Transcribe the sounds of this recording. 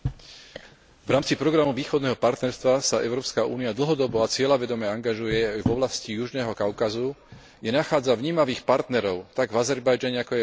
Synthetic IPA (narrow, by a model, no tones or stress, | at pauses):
vɾaːmt͡sipɾɔɡɾamuʋiːxɔd̪nɛːɦɔpaɾt̪nɛɾst̪ʋasaʔɛ̰ʊɾɔːpskaṵːniad̪l̩ɦɔd̪ɔbɔat͡sɪɛlaʋɛd̪ɔmɛaŋɡaʒujɛajvɔʋlascijuʒnɛːɦɔkaʊkazu | jɛnaxaːd͡zavɲiːmaʋiːxpaɾt̪nɛɾɔʊt̪aɡvazɛɾbajd͡ʒaɲɛakɔjɛ